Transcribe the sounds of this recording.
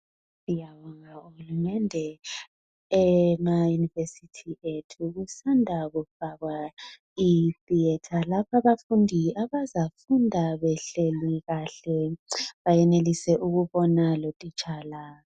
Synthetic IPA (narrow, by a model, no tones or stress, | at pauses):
ijawɔŋauhulumɛndʱɛ | ɛmajunivesitʰiʔetʰuɣusandʱaɣufaɣwa | iθiɛtʰalapʰaβafundʱiaβazafundʱaβɛɬeliɣaɬɛβajɛnelisɛʔuɣuβɔnalotʼit͡ʃʼaːla